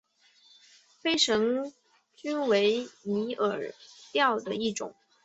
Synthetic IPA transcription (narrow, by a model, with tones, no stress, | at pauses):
fe˥ɪʂɤ˧˥ŋ | t͡ɕy˥nwe˧˥ɪni˧˥ʔə˨˩t̪jɑ˥˩ʊd̪ə˩i˥˩ʈ͡ʂʊ̰˨˩˦ŋ